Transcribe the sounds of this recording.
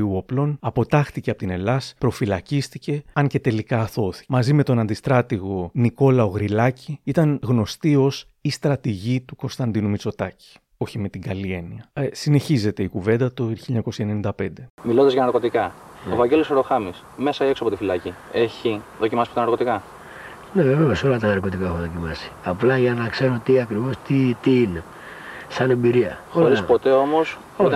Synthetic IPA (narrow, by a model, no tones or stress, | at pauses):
iuoplo̞nɐpo̞t̪ɐxt̪iceɐpot̪ine̞lɐspɾo̞filɐcist̪ice̞ɐɲce̞t̪e̞likɐːθo̞θi̥mɐzime̞t̪o̞nɐnd̪ist̪ɾɐt̪iɣo̞niko̞lɐoɣɾilɐciit̪ɐnɣno̞st̪io̞s | ist̪ɾɐt̪iʝit̪uko̞nst̪ɐnd̪inumit͡so̞t̪ɐci̥ | o̞çime̞t̪iɡɐlie̞niɐsine̞çize̞t̪e̞ikuve̞nd̪ɐt̪oçiʎɐɲɐko̞sɐe̞nenind̪ɐpe̞nd̪e̞milo̞nd̪ɐzʝɐnɐɾko̞t̪ikɐo̰vɐɟe̞losoɾo̞xɐmis | me̞sɐieksoɐpot̪ifilɐcie̞çiðo̞cimɐsipot̪ɐnɐɾko̞t̪ikɐ | neveveoso̞lɐt̪ɐnɐɾko̞t̪ikaexoðo̞cimɐsi̥ɐplɐʝɐnɐkse̞ɾot̪iɐkɾivo̞st̪it̪iine | sɐne̞mbiɾiɐool̞ɾispo̞t̪e̞o̞mo̞s